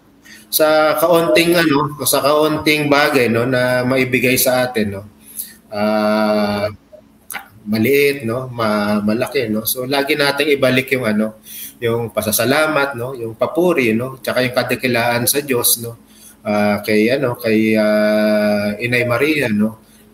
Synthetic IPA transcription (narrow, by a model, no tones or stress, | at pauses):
sɐkɐʔont̪ɪŋɐno̞sɐkɐʔont̪ɪŋbaːɡɐjno̞nɐmɐʔibɪɡajsɐʔaːt̪ɪnːo̞ | ʔaː | mɐlɪʔɪt̪̚no̞mɐmɐlɐkɛno̞so̞laːɡɪnaːt̪ɪŋɪbɐlɪkjʊŋɐno̞jʊŋpɐsɐsɐlaːmɐt̪̚no̞jʊŋpɐpuːɾɪno̞t͡ʃɐkajʊŋkɐd̪ɛkɪlaːʔɐnsɐd͡ʒo̞sno̞ | ʔaːkɐjʔɐno̞kɐjaː | ʔɪnɐjmɐɾiːjɐno̞